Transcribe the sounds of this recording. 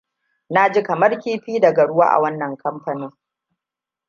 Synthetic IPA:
na˦d͡ʒi˦kɐ˨mɐ˦rkʲiː˦ɸiː˦dɐ˨ɡɐ˨ɽʊ˦wa̰ː˦ʔa̰˨wɐ˦nːɐ˨ŋkʰɐ˦mɸɐ˨nɪ˦

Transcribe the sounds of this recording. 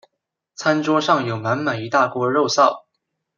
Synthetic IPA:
t͡sʰa˥nʈ͡ʂwɔ˥ʂɑ˥˩ŋjo˨˩ʊma˧˥nma˨˩ɪi˧˥t̪a˥˩kwɔ˥ɻo˥˧ʊsɑ˥˩ʊ

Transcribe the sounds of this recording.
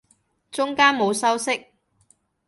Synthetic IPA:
t͡ʃʊ˥ŋkaː˥nmo˨˧wsɐ˥wsɪ˥k̚

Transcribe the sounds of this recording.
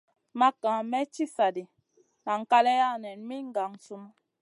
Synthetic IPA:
ma˦kã˨mɛ˦t͡ʃi˦sa˨di˨ | na˨ŋ̩˨ka˦lɛ˦ja˦˨nɛ˨nmi˦ŋ̩˦ɡa˨ŋ˨su˦m˦

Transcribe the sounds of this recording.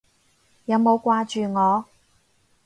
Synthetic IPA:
jɐ˨˧wmo˨˧wkʷaː˧t͡ʃyː˨ŋɔː˨˧

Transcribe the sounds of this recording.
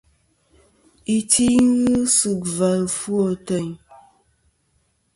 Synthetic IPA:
i˨ti˦ŋ˦ɣɨ˦sɨ˨kva˨lfwo˨tə˨ɲ

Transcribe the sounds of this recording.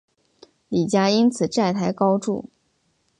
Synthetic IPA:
li˨˩t͡ɕja˥i˥nt͡sʰɹ̩˨˩ʈ͡ʂa˥˩ɪt̪ʰa˧˥ɪkɑ˥ʊʈ͡ʂṵ˥˩

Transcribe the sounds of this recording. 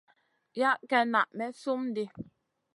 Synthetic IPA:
ja˦ʔkɛ˨na˨ʔmɛ˨˦su˦mn̩˦de˦

